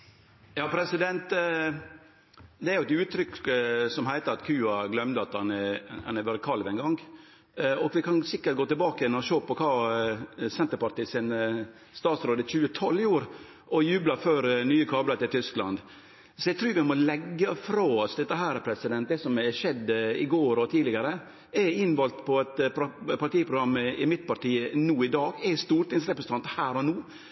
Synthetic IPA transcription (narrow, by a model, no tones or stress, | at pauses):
jɑːpʰɾɛsɪd̪ɛnt̪ | d̪ɛæɾjʊɛt̪ʉːt̪ʰɾʏkːsɔmhæɪt̪əɾɑt̪kʰʉːɑɡlœmd̪əɑt̪hɑnhɑ̰næʋɑːɾəkʰɑlʋɛɪnɡɑŋː | ɔɡʋɪkʰɑnsɪkːəʈɡoːt̪ɪlbɑːkəjɛnɔɾɔʃoːpɔkʰɑː | sɛnt̪əɾpɑɾʈ̪iːsɪn | st̪ɑːt̪sɾoːd̪əçʉːət̪ʰɔlːjɪuːɾ | ʔɔjʉːblɑføːɾnyːəkʰɑːblət̪ɪlt̪ʰʏsklɑ̰nd̪ | sɔjɛɡt̪ʰɾʉːɾʋɪmɔlɛɡːəfɾoːɔsd̪ɛt̪ːəɦæːɾpʰɾɛsɪd̪ɛnt̪̚d̪ɛsɔmɛʂɛd̪ːɪɡoːɾɔt̪ʰiːlɪɡɑɾə | ɛɪnʋɔlt̪pʰɔɛt̪ppɑʈiːəpʰɾʊɡɾɑmːɪmɪt̪pɑɾʈiːənuːɪd̪ɑːɡɛst̪uːɾʈ̪ɪŋsɾɛpɾəsn̩ɑnt̪hæːɾɔnuː